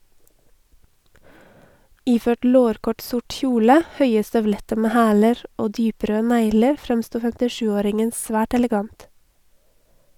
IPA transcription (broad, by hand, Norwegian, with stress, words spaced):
ˈiːˌføːʈ ˈloːɾkɔʈ ˈsʊʈ ˈçuːlə ˈhœʏə stœʋˈlɛtə ˈmeː ˈhæːləɾ ˈoː ˈdyːˌpɾøː ˈnæɪləɾ ˈfɾɛmˌstuː fɛmtɪˈʃʉːˌoːɾɪŋən ˈsʋæːʈ ɛlɛˈɡɑnt